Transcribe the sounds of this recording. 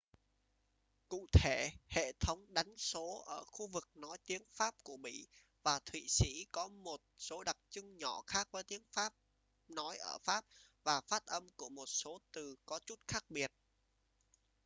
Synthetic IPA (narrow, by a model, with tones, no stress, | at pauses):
kṵ˧˨t̪ʰe˧˩hḛ˧˨t̪ʰə˨˦wŋ͡mɗa˨˦jŋ̟so˨˦ʔəː˧˩xu˧vɨ˨˩k̚nɔ˨˦jt̪i˨˦əŋfaː˦˥p̚ku˧˩əmḭ˧˩˨ | vaː˨˩t̪ʰwḭ˧˨sḭ˧˥kɔ˨˦mo˨˩t̚so˨˦ɗa˨˩k̚t͡ɕʊ˧ŋɲɔ˧˩xaː˦˥k̚vəː˨˦jt̪i˨˦əŋfaː˦˥p̚ | nɔ˨˦jʔəː˧˩faː˦˥p̚ | vaː˨˩faː˦˥t̚ʔə˧mku˧˩əmo˨˩t̚so˨˦t̪ɨ˨˩kɔ˨˦t͡ɕu˦˥t̚xaː˦˥k̚ɓi˨˩ət̚